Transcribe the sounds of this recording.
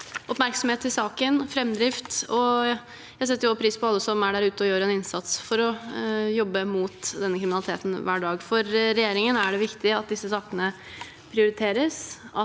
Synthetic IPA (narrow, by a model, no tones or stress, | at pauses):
ʔɔpmæɾksɔm̩heːt̪ʰɪsɑːkənfɾɛmːd̪ɾɪft̪ɔ | jæhɑs̬ɛt̪ːjʊɑpʰɾiːspʰɔɑlːəsɔmæɖæɾʉːt̪əɔjøːɾɛnɪnsɑt̪sfɔɾɔjɔbːəmuːt̪d̪ɛnːəkʰɾɪmnɑlɪt̪ʰeːt̪n̩ʋæːɖɑːɡfɔɾːɛjeːɾɪŋənæɖɛʋɪkt̪ɪɑt̪̚d̪ɪsːəsɑːkənə | pʰɾɪʊɾɪt̪ʰeːɾəsɑ